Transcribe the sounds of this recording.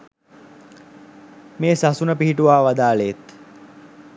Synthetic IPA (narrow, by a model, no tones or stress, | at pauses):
meːsasunəpiɦiʈuʋaːʋad̪aːlet̪